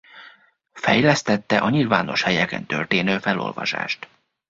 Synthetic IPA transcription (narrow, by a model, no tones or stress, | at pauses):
fɛjlɛst̪ɛt̪ːɛʔɒɲilvaːno̞ʃhɛjɛkɛ̰nt̪ørt̪eːnøːfɛlo̞̰lvɒ̰ʃa̰ːʃt̪